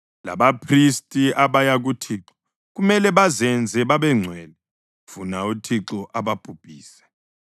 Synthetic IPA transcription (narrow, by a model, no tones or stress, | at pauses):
la̰ɓapʰristʼiʔaɓajaɣ̬utʰiǁɔ̥ | ɣumɛlɛβazɛnd͡zʱɛɓaɓɛŋ͡ǀʱwɛːlɛ | v̥unautʰiǁɔʔaɓapʼub̥ʱʼiːsɛ̥